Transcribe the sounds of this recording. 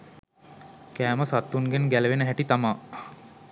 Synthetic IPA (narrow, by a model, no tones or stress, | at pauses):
kæːməsat̪ːunɡenɡæləʋenəɦæʈit̪amaː